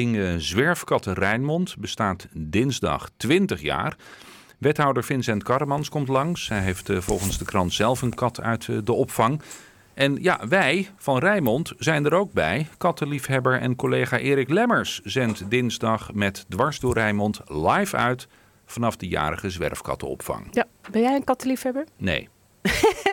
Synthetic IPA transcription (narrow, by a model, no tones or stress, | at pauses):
ɪŋzʋɛɹfkɑtərɛjmɔntbəstaːtdɪnzdɑ̰χtʋɪntəχja̰ːr | ʋɛtɦɑwdəɹfɪnsɛntkɑɾəmɑnskɔmtlɑŋsɛjɦejftvɔlˠχənzdəkrɑntsɛlˠfənkɑtʰœ̰ɥtdəʔɔpfɑŋ | ʔɛnja̰ʋɛjvɑnrɛjmɔntz̥ɛjndəɾowɡ̚bɛjkɑtəlifɦɛbəɹɛ̰nkolejχaːʔɪːɾɪklɛməɹsz̥ɛntdɪnzdɑχmɛtdʋɑɹzdʊːɹrɛjmɔntlɑjfœ̰ɥt | fɑnɑvdəja̰ːɾəχəzʋɛ̰rfkɑ̰tə̰ɔ̰pfɑ̰ŋbɛnjɛjənkɑtəlifɛbəɹnḛj